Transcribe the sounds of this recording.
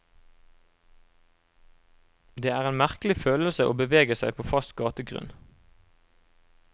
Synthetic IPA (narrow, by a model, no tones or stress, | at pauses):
d̪eːæːʁeːnmæʁkl̩ɪføːləlsəʔoːbəʋeːɡəsæɪpʰoːfɑst̪̚ɡɑːt̪əɡʁʉ̰n